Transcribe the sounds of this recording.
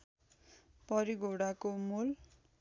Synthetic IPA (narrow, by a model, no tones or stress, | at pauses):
pʌɾiɡʱoɽakomul